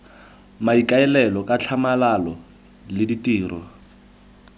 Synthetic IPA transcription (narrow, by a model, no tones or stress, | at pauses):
maikaɛlɛlɔkʼat͡ɬʰamalalɔ | lɪditiːrɔ